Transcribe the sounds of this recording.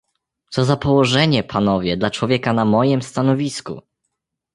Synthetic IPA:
t̪sɔzapɔwɔʐɛɲɛpʰanɔvʲjɛd̪lat͡ʂwɔvʲjɛkanamɔjɛmst̪anɔvʲiskṵ

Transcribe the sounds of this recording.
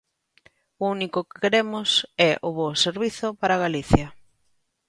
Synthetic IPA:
ʊunikʊkɪ̥keɾemʊsɛʔʊβoseɾβiθʊpaɾaɣ̞aliθjɐ

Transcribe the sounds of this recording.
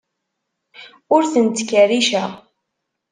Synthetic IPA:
ʊɾθənt̪kːərːiʃəʁ

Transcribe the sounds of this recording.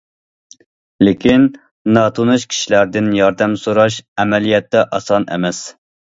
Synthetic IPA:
lɪkʲʰinː | ɑt̪ʰunɨʃkʲʰi̥ʃilæɾd̪ɪnjɑɾd̪ɛmsoɾɑʃɛmɛlijɛt̪ːɛʔɑsɑnɛ̰mɛs

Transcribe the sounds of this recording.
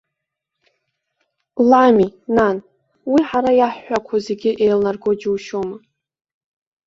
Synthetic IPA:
laminan | wiħaɾajaħːʷakʷʰaze̞ɡʲɪʔejlnarɡod͡ʒuwʃoma

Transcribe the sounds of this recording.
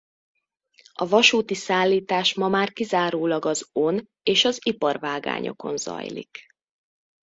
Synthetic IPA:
ɒvɒʃuːt̪isaːlːiːt̪aːʃmɒmaːrkizaːɾoːlɒɡɒzo̞n | eːʃɒzipɒrvaːɡa̰ːɲo̞̰ko̞̰nzɒ̰jlḭk

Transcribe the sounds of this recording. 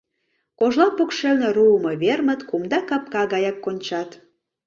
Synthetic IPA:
koʒlɑpokʃelneruəmɤβermət̪kumd̪ɑkɑp̚kɑɣɑjɑkːonʲt͡ɕɑt̪

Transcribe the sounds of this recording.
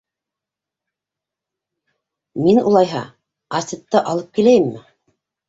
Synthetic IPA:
minṵlˠɑjɦɑ̰ | ɐset̪ːɤʔɑlˠɤp̚kilæjɘmːɘ

